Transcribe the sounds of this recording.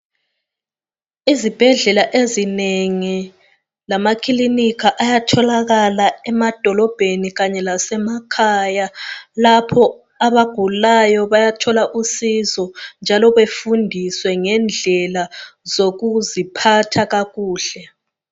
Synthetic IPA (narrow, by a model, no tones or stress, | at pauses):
izib̥ʱɛɮɛlaʔezineŋi | lamakʰilinikʰaʔajatʰɔlaɣalaɛmad̥ʱɔlɔb̥ʱeniɣaɲɛlasɛmakʰajalapʰɔ | aβaɡ̥ʱulajɔβajatʰɔlaʔusizɔnd͡ʒʱalɔβefundʱiswɛŋɛnd͡ɮʱɛlazoɣuzipʰatʰaɣaɣuːɬɛ